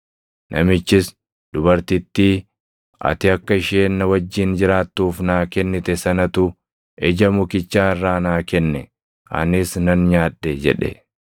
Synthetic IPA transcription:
nʔɐmɪt͡ʃːɪs | d̪̥ʊbɐɾt̪ɪt̪ːiː | ʔɐ̰t̪ɪɐkːɐɪʃeːnːɐwɐd͡ʒːɪnd͡ʒɪɾaːt̪ːuːfnaːkɛnːɪt̪ɛsɐnɐt̪ʊ | ʔɛd͡ʒɐmʊkɪt͡ʃːaːɪrːaːnaːkɛnːɛ | ʔɐ̰nɪsnɐnɲaːᶑːed͡ʒɛ̰ᶑɛ̰

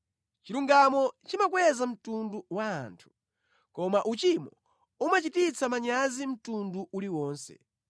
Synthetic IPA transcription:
t͡ʃiɾuŋɡamɔt͡ʃimakwɛzam̩tunduwa̰ːntʰu̥ | kɔmaʔut͡ʃimɔ̰ | umat͡ʃitit͡sʰamaɲazim̩tunduʔuliwɔːnsɛ̰

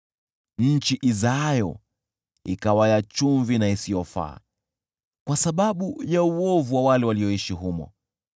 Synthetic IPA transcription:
ɲ̩t͡ʃiʔizajɔ | ḭkawajat͡ʃuɱvinaisijɔfa̰ː | kwasaɓaɓujauɔvuwawalɛwaliɔiʃiɦumɔ̰

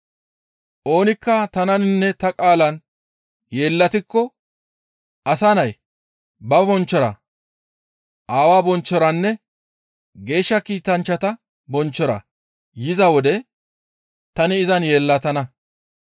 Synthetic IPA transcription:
ʔo̞ːnɪkːɐt̪ɐnɐnnːɛt̪ɐkʼaːlɐn | je̞ːlːɐt̪ɪkːɔ | ʔɐsanɐj | bɐbɔnt͡ʃːɔɾɐ̰ | ʔaːwaːbɔnt͡ʃːɔɾɐnːɛ | ɡe̞ːʃːɐkiːt̪ɐnt͡ʃːɐt̪ɐ | bɔnt͡ʃːɔɾɐ̰ | jɪzɐwɔd̪ɛ | t̪ɐnɪɪzɐnje̞ːlːɐt̪ɐnɐ

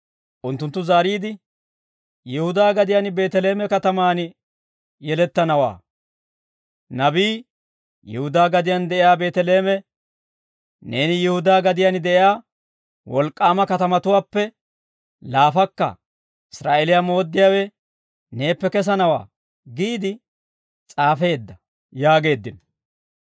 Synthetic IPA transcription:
ʔʊnt̪ːʊnt̪ːʊzaːɾiːd̪ɪ | jɛhʊd̪aːɡɐd̪ɪjanbe̞ːt̪ɛle̞ːmɛkɐt̪ɐmaːn | jɛlɛt̪ːɐnɐwa̰ː | nɐbiː | jɪ̰hʊd̪aːɡɐd̪ɪjand̪ɛʔɪjaːbe̞ːt̪ɛle̞ːmɛ | ne̞ːnɪjɪhʊd̪aːɡɐd̪ɪjanɪd̪ɛʔɪjaː | wɔlkʼːaːmɐkɐt̪ɐmɐt̪ʊwaːpːɛ | laːfɐkːɐ̰ | ɪsɾa̰ːʔeːlɪjamo̞ːd̪ːɪjaːwɛ | ne̞ːpːɛkɛs̬ɐnɐwa̰ː | ɡiːd̪ɪ | t͡sʼaːfe̞ːd̪ːɐ | jaːɡe̞ːd̪ːɪn

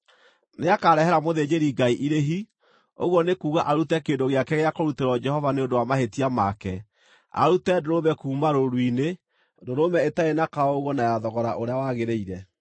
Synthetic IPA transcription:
neakaːɾɛɦɛɾamoðed͡ʒeɾiɡaiʔiɾeɦi | o̰ɣwɔnekuːɣaʔaɾutɛkeːndoɣeakɛɣeakoɾuteɾwɔd͡ʒɛhɔvaneondowamaɦetiamakɛ | a̰ɾutɛdoɾomɛkuːmaɾoɾwine | doɾomɛetaenakaɔoɣɔnajaðɔɣɔɾa̰ʔoɾeawaɣeɾeiɾɛ

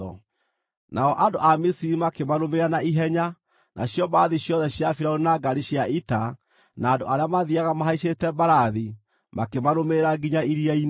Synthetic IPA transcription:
ɔ̰ | nʔaɔʔandoʔamisiɾimakemaɾomeɾanaiɦɛɲa | nʔa̰ɕjɔbaaðiɕjɔðɛɕjafiɾaonaɡaɾiɕjaita | naːndoaɾeamaðiaɣamaɦaiʃetɛbaɾaði | makemaɾomeɾaɡiɲaiɾiain

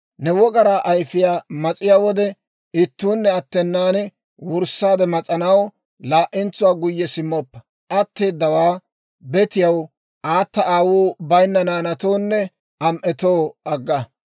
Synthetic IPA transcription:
nɛwɔɡɐɾaːʔɐjfɪjaːmɐt͡sʼɪjaːwɔd̪ɛ | ɪt̪ːuːnːɛɐt̪ːɛnːaːn | wʊɾsːaːd̪ɛmɐt͡sʼɐnɐw | laːʔɪnt͡sːʊwaːɡʊjːɛsɪmːɔpːɐ̥ | ʔɐt̪ːeːd̪ːɐwaː | bɛt̪ɪjɐw | ʔaːt̪ːɐʔaːwuːbɐjnːɐnaːnɐt̪oːnːɛ | ɐmʔɛt̪oːɐɡːɐ

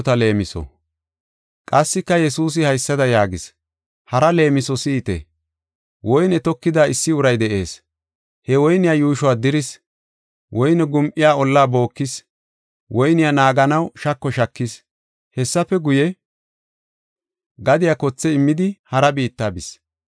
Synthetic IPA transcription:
t̪ɐle̞ːmɪsɔ̰ | kʼɐsːɪkːɐjɛsuːs̬ɪhɐjsːɐd̪ɐjaːɡɪs | hɐɾɐle̞ːmɪsɔsiːt̪ḛ | wɔjnɛt̪ɔkːɪd̪aːɪsːɪʊɾɐjd̪ɛʔe̞̰ːs | hɛwɔjnɪjaːjuːʃʊwaːd̪ɪɾɪs | wɔjnɛɡʊmʔɪjaːɔlːaːbo̞ːkːɪs | wʔɔjnɪjanaːɡɐnɐwʃɐkːɔʃɐkːɪs | hɛsːɐfɛɡʊjɛ | ɡɐd̪ɪjakɔt͡sːɛɪmːɪd̪ɪhɐɾɐbiːt̪ːaːbɪs

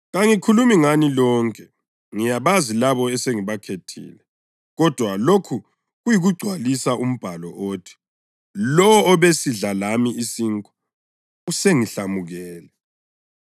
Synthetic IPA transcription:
ɣaŋikʰulumiŋanilɔːŋkʼɛ | ŋijaβazilaβɔɛseŋiβakʰetʰḭːlɛ | ɣɔd̥ʱwalokʰu | ɣujiɣuɡ͡ǀʱwalisaʔum̩b̥ʱalɔʔoːtʰi̥ | lɔwːβesiɮalamiisiŋkʼu̥ | useŋiɬamuɣɛːlɛ

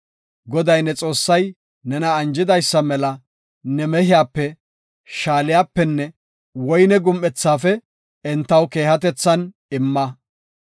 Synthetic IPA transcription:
ɡɔd̪ɐjnɛt͡sʼo̞ːsːɐj | nɛnɐːnd͡ʒɪd̪ɐjsːɐmɛlɐ | nɛmɛhɪjaːpːɛ | ʃaːlɪjaːpːɛnːɛ | wɔjnɛɡʊmʔɛt͡sːaːfɛ | ɛnt̪ːɐwke̞ːhɐt̪ɛt͡sːɐn | ɪmːɐ

